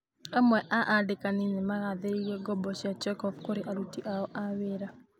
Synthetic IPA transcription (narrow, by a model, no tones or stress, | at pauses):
amwɛʔaʔadɪkanɪnɪmaɣad̪ejɛɡɔbɔt͡ʃat͡ʃɛkɔfkoɾɪʔaɾutiʔaɔʔawɪɾa